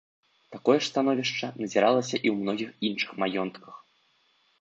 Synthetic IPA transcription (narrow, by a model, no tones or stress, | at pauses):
t̪akɔjɛʂst̪anɔvʲiʂt͡ʂɐnɐzʲiɾalˠɐsʲɐʔiwmnɔɣʲixinʂɨ̥xmajɔnt̪kɐx